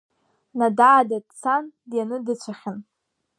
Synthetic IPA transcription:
nadaːdadt͡sʰandjanɨdɨt͡ɕʷʰaχʲɪn

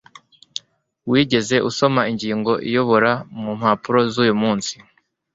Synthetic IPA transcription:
wiːɟe̞ze̞ʔuso̞maiɲɟiːŋɡo̞ʔḭjo̞βo̞ɾamum̥hapuɾo̞zuːjumuːnsi̥

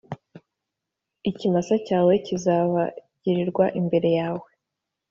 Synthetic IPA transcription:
icimasacaːwe̞cizaβaɟ̥iɾiɾɡwaʔimbe̞ɾe̞jaːwe̞

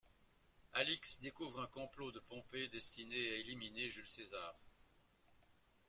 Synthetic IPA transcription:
aliksd̪ekuvʁɛ̃kɔ̃plod̪əpɔ̃ped̪ɛst̪ineaelimineʒylsezaːʁ

